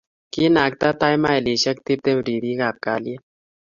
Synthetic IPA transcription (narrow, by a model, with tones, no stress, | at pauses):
ki˦na˨k̚t̪a˦t̪a˦jma˦e˨li˨ʃa˦k̚t̪i˦p̚t̪e˦mɾi˨ɾi˦ɡa˨p̚ka̰ː˨lie˦